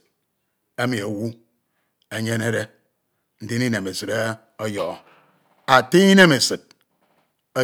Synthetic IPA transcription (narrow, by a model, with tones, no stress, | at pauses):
e˦mi˨e˨wu˦ | e˨ɲe˦ne˦ɾe˦ | n̩˦di˦ni˦ne˨me˨sɨ˨ɾe˦ | o˦jɔ˨ | a˨ti˦i˦ne˦me˨sɨ˨t̚ | e˦